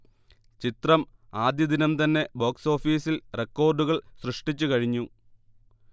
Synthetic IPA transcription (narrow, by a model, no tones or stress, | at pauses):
t͡ɕit̪rɐmaːd̪jɐd̪inɐmt̪ɐnːe̞bo̞ːkso̞ːfiːsilrekːo̞ːrɖuɣɐɭsrɨʂʈit͡ɕːukɐɻiɲːu